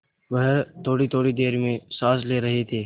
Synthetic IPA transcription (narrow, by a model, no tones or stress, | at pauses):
ʋɐɦt̪ʰoːɽit̪ʰoːɽid̪eːɾmẽsaːsleːɾɐɦet̪ʰeː